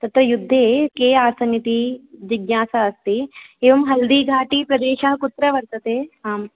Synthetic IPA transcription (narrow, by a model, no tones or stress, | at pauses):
t̪ɐt̪ɾɐjud̪ʱːeːkeːaːsɐnjɐt̪id͡ʒiɡnaːsaɐst̪ieːʋɐmɦɐld̪iːɡʱaːʈipɾɐd̪eːʃɐɦɐkut̪ɾɐʋɐɾt̪ɐt̪eːaːm